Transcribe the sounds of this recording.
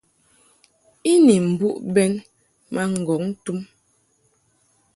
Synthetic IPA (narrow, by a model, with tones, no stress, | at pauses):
i˦ni˨m̩˨bu˦ʔbɛ˦n | ma˦ŋ̩˨ɡɔ˨˦ŋn̩˦tu˦m